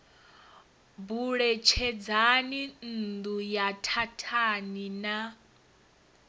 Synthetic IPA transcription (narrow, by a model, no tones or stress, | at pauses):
buɺɛt͡ʃʰɛd͡zanin̩d̪ujatʰatʰanina